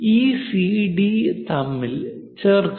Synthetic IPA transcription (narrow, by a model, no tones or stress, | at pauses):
iːsiɖit̪ɐmːil | t͡ɕerk